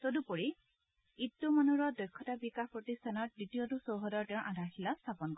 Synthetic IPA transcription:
todupɔɹi | itːumanuɹɔdɔjkʰːɔtabikaxpɹɔtistʰanɔɹ̚dɹitiɔtusowɦɔdɔɹtɛʊ̃ɹʔadʱaɹxilastʰapɔnkɔɹ

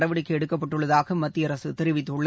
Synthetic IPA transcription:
ɽɐʋɐɽɪkːɐɛɽɯkːɐpːɐʈːɯɭːɐðaːɣɐmɐt̪ːɪjɐɾɐsɯt̪ɪɾɪʋɪt̪ːɭːɐ

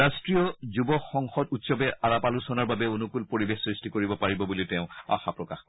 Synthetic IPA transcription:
astɹiɔzubɔxɔŋxɔtutsɔbɛaɹapalusɔnaɹbabɛonukulpoɹibexsɹistikoɹibɔpaɹibɔbulitɛʊ̃a̰xapɹɔkax

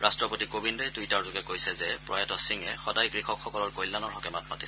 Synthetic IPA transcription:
ɹastɹɔpotikobindɔjtujtaɹzʊɡɛkojsɛzɛpɹɔ̰jatɔsiŋɛxɔdajɡɹixɔkxɔkɔlɔɹkojlːanɔɹɦɔkɛmatmatis

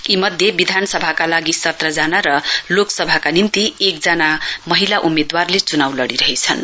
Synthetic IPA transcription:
imʌd̪ʱjebid̪ʱanʌsʌbʱakalaɡisʌt̪rʌd͡zanaɾʌloksʌbʱakanint̪iek̚d͡zʌnamʌɦilaʔumed̪warlet͡sunawlʌɽiɾʌɦet͡sʰʌn

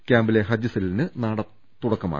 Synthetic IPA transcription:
kʲaːmbileɦɐd͡ʑɐsilnɨnaːɽɐ | t̪ːuɽɐkːɐma̰

